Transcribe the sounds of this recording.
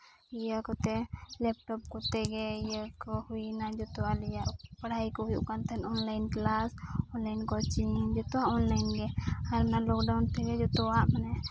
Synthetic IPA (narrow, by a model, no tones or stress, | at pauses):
ijakɔt̪ɛlɛp̚ʈɔp̚kɔt̪ɛɡɛijakɔhuinad͡ʒɔt̪ɔalijaʔpəɽajkɔɦujṵkant̪ʰɛnɔnlajnklasɔnlajnkɔt͡ʃind͡ʒɔt̪ɔaʔɔnlajnɡɛaɾnalɔkɖawnt̪ɛɡɛd͡ʒɔt̪ɔaʔmanɛ